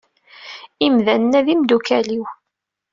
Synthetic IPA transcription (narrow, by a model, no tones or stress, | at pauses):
imðænənːæðimd̪ukæliw